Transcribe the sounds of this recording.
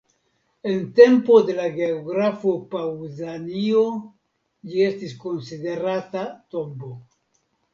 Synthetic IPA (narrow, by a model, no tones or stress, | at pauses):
e̞nte̞mpo̞de̞laɡeoɡɾafo̞pawzanio | d͡ʒie̞stisko̞nside̞ɾatato̞mbo